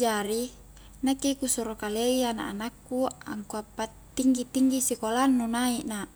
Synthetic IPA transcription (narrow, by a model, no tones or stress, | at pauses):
d͡ʒaɾi | nakekusuɾokaleiana̰ʔːnakːua̰ŋkuapːat̪ːiŋɡit̪iŋɡisikolanːunaiʔna